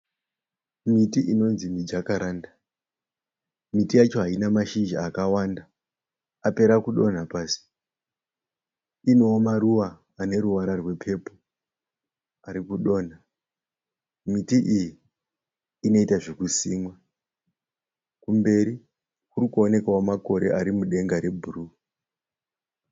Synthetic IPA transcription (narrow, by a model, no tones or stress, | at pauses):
mitiʔino̞nzimid͡ʒakaɾaːnda | mitijat͡ʃo̞ɦainamaʃind͡ʒaakawanda | ape̞ɾakuɗo̞n̤apaːsi̥ | inoːmaruʋaː | ne̞ɾuʋaɾarwe̞pʰe̞po | aɾikuɗo̞ːn̤a | mitiʔijiː | no̞itaʐekusiːmwa | kumbe̞ɾi | kurikuone̞kaomako̞ɾe̞̰ʔaɾimuɗe̞ŋɡaɾe̞bʱuru